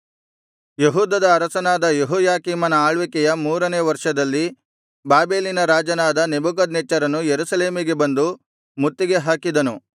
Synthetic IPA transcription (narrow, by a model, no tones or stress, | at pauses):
jeɦuːd̪ɐd̪ɐːɾɐsɐnaːd̪ɐjeɦɔːjaːkiːmɐnɐaːɭʋikɛjɐmuːɾɐneːʋɐɾʂɐd̪ɐlːi | baːbeːlinɐɾaːd͡ʒɐnaːd̪ɐnebuk̬ɐd̪nɛt͡ʃːɐɾɐnujeɾusɐle̞ːmiɡe̞bɐnd̪u | mut̪ːiɡe̞ɦaːkid̪ɐnu